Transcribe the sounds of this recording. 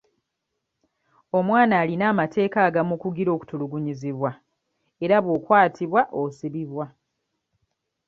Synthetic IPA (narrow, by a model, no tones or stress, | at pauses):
o̞mwaːnaːlinaːmatʰe̞ːkaːɡamukuɡiɾo̞ːku̥tuluɡuɲiziβwa | e̞ɾaβwokwaːtʰiβwaʔosiβiβwa